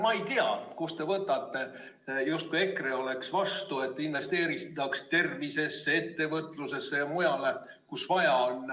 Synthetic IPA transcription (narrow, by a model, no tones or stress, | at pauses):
mɑejt̪iɑkost̪e̞vɤt̪ːˑɑt̪ːe̞ | just̪̚kuje̞kreo̞le̞ksvɑst̪ue̞t̪ːˑinve̞st̪e̞ːɾist̪ːɑkst̪e̞rvise̞sːee̞t̪ːe̞vɤt̪ːˑluse̞sːe̞jɑmojɑle̞ | kusvɑjɑon